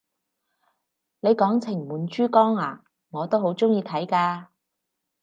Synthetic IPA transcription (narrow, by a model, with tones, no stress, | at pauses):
ne˨˧jkɔː˨˥ŋt͡sʰɪ˨˩ŋmuː˨˩nt͡ʃyː˥kɔː˥ŋaː˨˩ | ŋɔː˨˧t̪o˥wɦo˨˧˥wt͡sʊ˥ŋjiː˧t̪ʰɐ˨˥jkaː˧